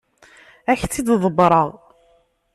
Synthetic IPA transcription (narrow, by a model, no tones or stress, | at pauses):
æçt͡sːid̪ðˤəbɾˤəʁ